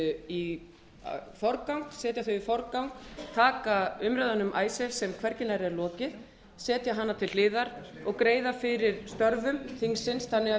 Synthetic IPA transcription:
i | fɔɾkawŋksɛːt̪jaθœɥifɔɾkawnkt̪ʰaːkaʏmɾœðanːʏmʔaːjsɛlsɛmkʰvɛɾcɪnaɾɪɛɾlɔːcɪ | sɛːt̪jaɦanːat̪ʰɪllɪːðaɾ | ɔɣkɾeːjðafɪɾɪɾ̥st̪œɾvʏmθiŋsɪnsθanːɪa

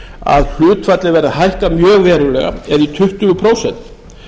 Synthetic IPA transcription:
a̰ðl̥ʏːt̪fat̪lɪvɛɾðahajhkamjœːɣvɛːɾʏlɛ̰ɣa̰ɛɾit̪ʰʏht̪ʏɣʏpʰɾoːwsɛn̥t̪

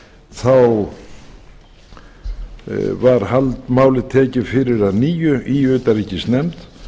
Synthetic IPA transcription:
θaw | vaɾ̥halt̪maːwlɪt̪ʰɛːcɪfɪɾɪɾaðniːjʏiʏːt̪aɾiːcɪst̪nɛmt̪

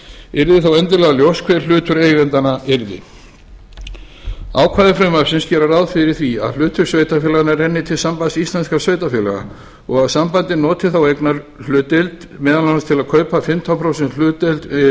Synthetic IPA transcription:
ɪɾðɪθawɛnt̪ɪlɛɣaljowskʰv̥ɛɾ̥l̥ʏːt̪ʏɾeːjvɛnt̪anaɪɾðɪ̰ | a̰ːwkʰvaːðɪfɾɛmḁsɪnscɛːɾaɾawðfɪɾɪɾ̥θvia̰ðl̥ʏːt̪ʏɾsveːjt̪afɛːlanaɛɾɛnːɪt̪ʰɪlsampasist̪lanskasveːjt̪afɛːlaɣa̰ | ɔɣaðsampant̪ɪnɔːt̪ɪθawejknaɾ | l̥ʏːt̪ɪlt̪ | mɛːðalananst̪ʰɪlaðkʰœːɥpafɪmt̪ʰanpʰɾowsɛnt̪l̥ʏːt̪ɪlt̪

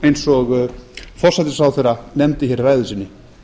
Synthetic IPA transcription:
ejnsɔɣfɔr̥sɛt̪ɪsawθejɾanɛmt̪ɪçɛɾvaːjðʏsinːɪ

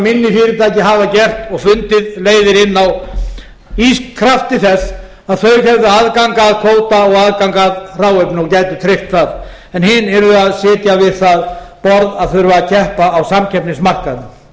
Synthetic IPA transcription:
mɪnːɪfɪːɾɪt̪ʰaːjcɪɦavacɛr̥t̪ɔɣfʏnt̪ɪðleːjðɪɾɪnːaw | iskkʰɾaft̪ɪθɛsː | aðθœɥɾçɛvðʏaðkaŋkaðkʰvoːwt̪aɔɣaðkawŋkaðr̥aːwœɥpnɪɔcaːjt̪ʏt̪ʰɾɪft̪θað | ɛnhɪnɛɾʏaðsɪːt̪javɪðθaðpɔɾðaðθœɥɾvaacʰɛhpaːwsamcʰɛpnɪsmar̥kaðnʏ

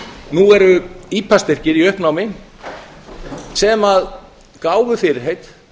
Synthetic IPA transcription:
nuɛɾʏiːpʰast̪ɪr̥cɪɾiœhpnaːwmɪn | sɛmað | kaːwvʏfɪːɾɪɾ̥ɦejt̪

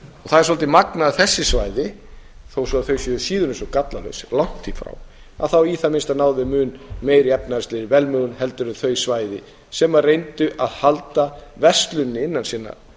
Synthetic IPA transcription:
ɔɣθaðɛɾsɔlt̪ɪmaknaðθɛsːɪsvajðɪ | θowsɔaθœɥjsjʏʏsiːðʏɾɪnsɔkat̪lalœ̰ɥslawn̥t̪ʰifɾa̰w | a̰ðθawiːθamɪnst̪anaːwðɪmʏːnmeːjɾɪɛpnaɛst̪lɪɾɪvɛlmœɣʏnɦɛlt̪ʏɾʏθœɥjsvaːjðɪ | sɛmarejnt̪ʏʔaðhalt̪avɛst̪lʏnːɪɪnːansiːna̰

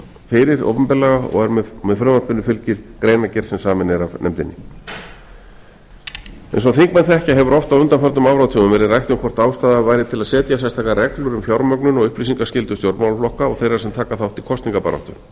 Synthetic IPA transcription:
fɪɾɪɾo̰wpʏmpɪlaɣaɔ̰ɣɛɾmɛðfɾʏmanpʏnːʏfɪlcɪɾ̥kɾeːjnacɛɾ̥sɛmsaːmɪnɛɾavnɛmt̪ɪnːɪ̰ | ɛ̰ns̬ɔθiŋkmɛnθɛhcaɦɛvʏɾɔft̪avʏnt̪anfœɾt̪ʏmaːwvɾaðt̪ʰʏːmʏmvɛːɾɪðrajht̪ʏmkʰvɔr̥t̪aːwst̪aːðavajɾɪðt̪ʰɪlaðsɛːt̪jas̬ɛjst̪ʰajkarɛklʏɾʏmfjawɾmœknʏnɔɣʏhplisiŋkascɪlt̪ʏt̪jowɾmawlflɔhkaɔɣθejrḁsɛmt̪ʰaːkaθawht̪ikʰɔst̪niŋkapa̰ɾɔ̰ht̪ʏ̰m

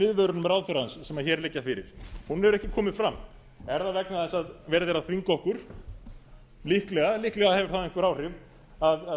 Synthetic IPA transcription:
ɪðvœɾʏɾnʏmɛɾaːwθʏɾaansːɛmaçɛːɾlɪcːafɪɾɪ̰ɾ̥hunɛvɾɛhcɪkʰɔːmɪðfɾamː | ɛɾðavɛknaðɛsaðvɛːɾðɛɾaðθviŋkɔhkʏɾ̥ | lihklɛɣalihklɛɣaðhɛvɪɾtθaðɪ̃hŋkʏɾaːwr̥ɪv | aða

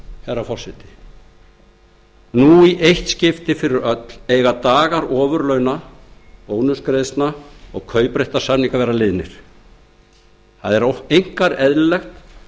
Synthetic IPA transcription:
hɛrːafɔr̥sɛht̪ɪ̥ | nuiʔejht̪scɪft̪ɪfɪɾɪɾœt̪leːjɣat̪aːɣaɾɔːvʏɾlœɥnapoːwnʏskɾeðst̪naɔɣkʰœːɥpɾejht̪ḁsamniŋkavɛɾalɪðnɪ̰ɾ̥ | θaðɛɾoejŋ̥kaɾɛðllɛxt̪

